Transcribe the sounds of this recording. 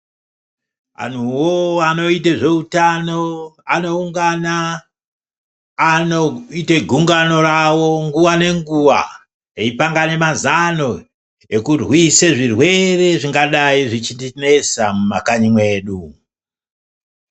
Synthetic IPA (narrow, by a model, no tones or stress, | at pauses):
a̰n̤uwoano̞iteʐe̞utano̞ano̞uŋɡana | noiteɡʱuŋɡano̞ɾawo̞ŋɡuʋane̞ŋɡuʋa̰ | eipaŋɡane̞mazano̞ | e̞kurwiseʐirwe̞re̞ʐiŋɡaɗaiʐit͡ʃindine̞samumakaɲimwe̞ːɗu